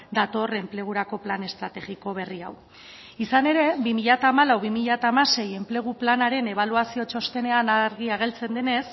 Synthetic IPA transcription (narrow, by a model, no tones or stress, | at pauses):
d̪at̪o̞re̞mple̞ɣ̞uɾako̞plane̞st̪ɾat̪e̞ɣiko̞β̞e̞ria̰w | isane̞ɾe̞bimiʎat̪aːmalawβimiʎat̪aːmase̞je̞mple̞ɣ̞uplanaɾe̞ne̞β̞aluasio̞t͡ʃo̞st̪e̞ne̞anaɾɣiaɣ̞e̞lt͡se̞nd̪ene̞s